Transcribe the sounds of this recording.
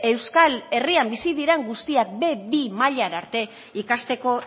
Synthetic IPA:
e̞wskale̞riambisið̞iɾe̞ŋɡust̪iak̚be̞bimaʎaɾaɾt̪e̞ | ikast̪e̞ko̞

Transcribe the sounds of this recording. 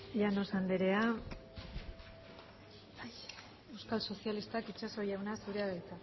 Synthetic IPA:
ʎanosand̪eɾe̞a | baj | e̞wskalso̞sialist̪akit͡ʃaso̞jawnasuɾeaðajt͡s̪a

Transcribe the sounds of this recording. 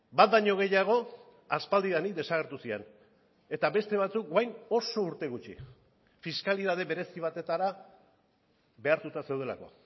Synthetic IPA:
bat̪̚daɲo̞ɣ̞e̞jaɣ̞o̞ | aspald̪iðanikd̪e̞saɣ̞e̞ɾt̪usien | e̞t̪aβe̞st̪e̞β̞at͡suk̚ɡajno̞so̞uɾt̪e̞ɣut͡ʃḭ | fiskaliðaðe̞βe̞ɾe̞siβ̞at̪e̞t̪aɾa | be̞aɾt̪ut̪ase̞wð̞e̞la̰ko̞̰

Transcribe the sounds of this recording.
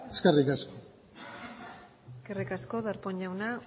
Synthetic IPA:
eskerikasko | eskerikasko̞ðaɾpoɲʎawna

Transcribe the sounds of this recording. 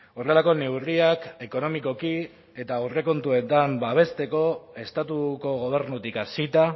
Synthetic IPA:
o̞ɾelako̞ne̞wriake̞ko̞no̞miko̞ki | e̞t̪awre̞ko̞nt̪ue̞t̪ambaβ̞e̞st̪e̞ko̞e̞st̪at̪uko̞ɣ̞o̞β̞e̞ɾnut̪ikasit̪a

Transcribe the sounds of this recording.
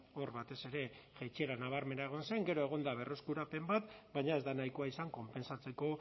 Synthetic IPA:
o̞rβat̪e̞se̞ɾe̞ʝet͡ʃieɾanaβ̞aɾme̞naeɣ̞o̞nse̞ŋɡe̞ɾo̞e̞ɣ̞o̞nd̪aβ̞e̞ro̞skuɾape̞mbat̪baɲae̞zd̪anajko̞aisaŋko̞mpe̞nsat͡se̞ko̞

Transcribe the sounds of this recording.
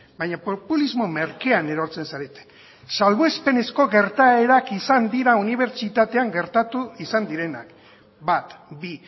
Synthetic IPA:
bajɲapopulizmo̞me̞ɾke̞ane̞ɾo̞ɾt͡se̞nsaɾe̞t̪e̥n | salβoespe̞ne̞sko̞ɣe̞ɾt̪aeɾakisand̪iɾauniβ̞e̞ɾt͡ʃit̪at̪e̞aŋɡe̞ɾt̪at̪uisand̪iɾe̞na̰k | bat̪bi

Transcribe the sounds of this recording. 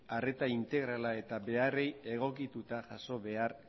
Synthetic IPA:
are̞t̪aint̪e̞ɣ̞ɾalae̞t̪aβe̞are̞je̞ɣ̞o̞kit̪ut̪aʝaso̞βe̞ar

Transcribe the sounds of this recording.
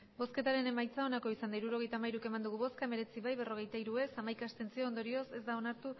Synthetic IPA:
bo̞ske̞t̪aɾe̞ne̞majt͡sao̞nako̞isand̪aiɾuɾo̞ɣ̞e̞jt̪amaiɾuke̞mand̪uɣ̞uβo̞skame̞ɾe̞t͡siβajβe̞ro̞ɣ̞e̞jt̪aiɾue̞samajkast̪e̞nt͡sio̞ːnd̪o̞ɾio̞se̞zd̪ao̞naɾt̪u

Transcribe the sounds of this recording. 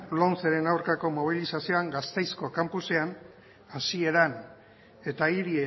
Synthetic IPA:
lonseɾe̞nawɾkako̞mo̞β̞ilisasio̞aŋɡast̪e̞jsko̞kampuse̞an | asie̞ɾan | e̞t̪aiɾie

